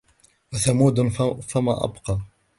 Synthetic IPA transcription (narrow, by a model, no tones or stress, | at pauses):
waθamuːd̪fama̰ːʔɑ̰bqɑː